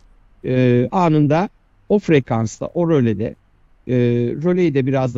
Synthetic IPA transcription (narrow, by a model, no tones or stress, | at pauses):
ɛːaːnɯnd̪a | o̞fɾekʰansa̰ʔo̞ɾolʲed̪ɛ̰ː | ɾo̞lʲejid̪ɛbiɾazd̪